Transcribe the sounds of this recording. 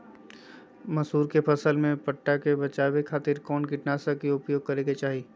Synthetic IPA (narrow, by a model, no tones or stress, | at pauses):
mɐsuːɾkepʰɐsəlmẽpɐʈːakebɐt͡ʃaːwekʰaːt̪ɪɾkɔːnkɪʈnaːsakiʊpjoːɡ̚kɐɾẽːɡet͡ʃaːɦi